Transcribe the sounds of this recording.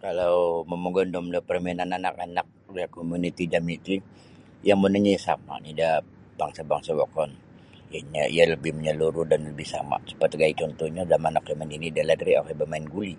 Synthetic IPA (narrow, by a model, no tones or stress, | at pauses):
kalawməmoɡɔndɔmdɔpərminananakanak̚dakomunit̪id͡ʒamit̪i | jaŋmənəɲasa̰ma̰nida | baŋsabaŋsawɔkɔn | jaɲaḭaləbɪhməɲəluɾʊdanləbɪsa̰ma̰sə̥pat̪ɡait͡ʃɔnt̪ɔɲadamanɔkjamaninidaladɾiakabəmaɪnɡuli